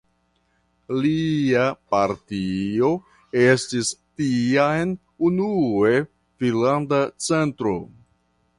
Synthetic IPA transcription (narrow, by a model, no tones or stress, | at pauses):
liapaɾtio̞ | e̞stistiajn | unue | finlandat͡se̞ntɾo̞̰